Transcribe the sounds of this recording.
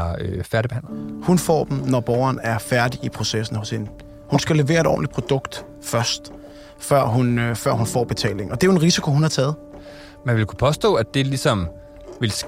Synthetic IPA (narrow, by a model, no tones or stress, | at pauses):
fæɐɾib̥ehæ̰n̰lɐhunfɒ̰ːd̥m̩nɒb̥ɒʊɐnæɐfæɐdiipʰʁo̝sesn̩hɔ̽she̝nə | hunsɡ̥æle̝ʋe̝̰ːɐedɾɒ̰ːnli̥pʰʁo̝d̥ɔ̽ɡ̥d̥ | fɶɐsd̥ | fɶɐ̰ɦunfɶɐ̰ɦunfɒ̰ːb̥e̝t͡sʰɛ̰ːle̝ŋɒ̽d̥e̝æjoenʁisikʰo̝hunhɑ̈t͡sʰɛːð̞̩ˠ | mænʋe̝lkʰu̥pʰɒ̽sd̥ɔ̰̽ːæd̥e̝lisɒ̽m | ʋe̝ls